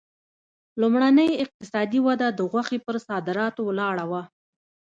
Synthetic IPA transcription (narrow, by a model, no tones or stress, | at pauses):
lumɽanəjɪq̚t̪ɪsɑd̪iwad̪ad̪əɣwaxepəɾsɑd̪ɪɾɑt̪owlɑɽawa